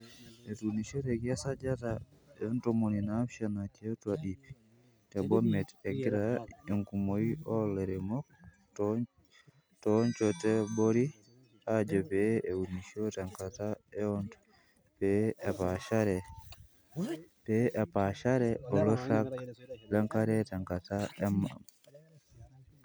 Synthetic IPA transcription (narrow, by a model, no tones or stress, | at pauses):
ɛtuniʃɔtɛkiasad͡ʒataɛɔntɔmoninafʃanakɛtwaɗi | tɛbɔmɛtɛɡiɾaɛŋkumoiʔɔlɛɾɛmɔk̚ | t | tɔɲt͡ʃɔtɛboɾi | ad͡ʒɛbɛʔɛwuniʃɔtaŋkataɛɔntɔ̥ | bɛɛpaʃaɾɛ | bɛʔɛpaʃaɾɛɔlɔɬaklaŋkaɾɛtaŋkataɛmːa̰m